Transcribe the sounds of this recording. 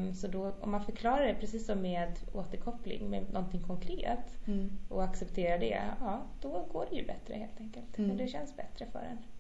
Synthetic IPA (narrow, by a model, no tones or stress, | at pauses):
sɔd̪ɔɔ̰mːanfœɾkʰlɑːɾaɖɛpʰɾɛsiːsːɔmːeːd̪oːt̪əɾkʰɔpːlɪ̰ŋmɛnɔnt̪ɪŋkʰɔŋkʰɾeːt̪ʔɔaksɛpt̪ʰeːɾaɖɛ̰ɑːd̪̥ɔɡoːɖɛjɵ̰bɛt̪ɾə̰heːlt̪ʰɛŋkəlt̪ɔd̪ɛɕɛnsbɛt̪ɾəfœ̰ːɖɛ̰n